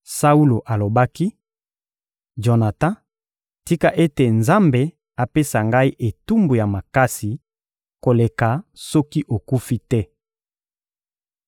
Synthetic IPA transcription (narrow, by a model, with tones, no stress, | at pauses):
sa˦u˦lo˨ʔa˨lo˨ba˦ki˦ | d͡ʒo˨na˨tã˦ | ti˦ka˨ʔe˦te˨nza˦mbe˨ | a˨pe˦sa˨ŋɡa˦i˦ʔe˨tu˦mbu˨ja˨ma˨ka˦si˨ | ko˨le˨ka˨sɔ˦ki˦ʔo˨ku˦fi˦tɛ˦